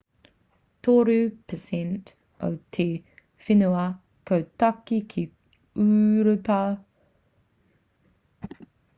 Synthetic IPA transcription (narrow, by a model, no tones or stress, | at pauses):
tʰoɾʉpʰəsɛnt | o̰wt̪ʰe | fɪnuɐ | kʰowtɐkːikʰi | ʉːɾəpa